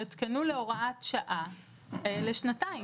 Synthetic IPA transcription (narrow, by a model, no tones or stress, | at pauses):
et̪kenule̞o̞ʁaat̪ʃaʔa | leʃnatai